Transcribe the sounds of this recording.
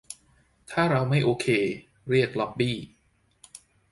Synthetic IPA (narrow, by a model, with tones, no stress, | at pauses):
t̪ʰaː˥˩ɾa˧wma˥˩jʔoː˧kʰeː˧ | ɾi˥˩ək̚lɔ˦˥p̚biː˥˩